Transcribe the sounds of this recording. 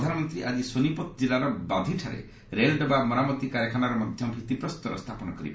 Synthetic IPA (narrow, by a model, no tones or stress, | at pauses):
d̪ʱanɔmɔnt̪ɾiʔad͡ʒisonipɔt̪ɔd͡ʒilaɾɔbad̪ʱiʈʰaɾḛ | ɾelɖɔbamɔnamɔt̪ikaɾjakʰanaɾɔmad̪ʱjɔmɔbʱit̪ipɾɔsut̪ɔɾɔ̰st̪ʰapɔnɔkɔɾḭba